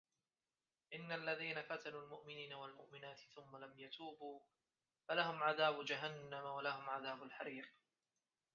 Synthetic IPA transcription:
ʔɪnːalːaðiːnafat̪anuːlmʊʔmɪniːnawalmʊʔmɪnaːt̪ɪ̥θʊmːalamjat̪ʰuːbuː | falahʊmʕaðaːbd͡ʒaɦanːamawalahʊmʕaðaːbʊalħaɾiːq

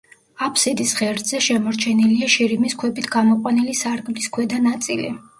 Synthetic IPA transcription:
apʰsid̪isχɛɾd̪zɛʃɛmɔɾt͡ʃʰɛniliaʃiɾimiskʰwɛbit̪ʰɡamɔqʼwanilisaɾɡmliskʰwɛd̪anat̪sʼilḭ

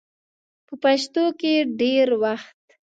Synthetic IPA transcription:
pəpaʃt̪okeɖeɾwaxt̪

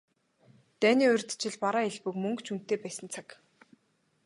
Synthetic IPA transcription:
t̪æːniːɵrʲt̪t͡ɕɪ̆ɮpaɾaːeɮpɵ̆kmɵŋkt͡ɕʰun̥t̪eːpæːsə̆nt͡sʰak

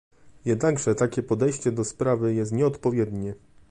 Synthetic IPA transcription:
jɛd̪naɡʐɛt̪akʲɛpɔd̪ɛjɕt͡ɕɛd̪ɔspɾavɘjɛst̪ɲɛɔt̪pɔvʲjɛd̪ɲɛ

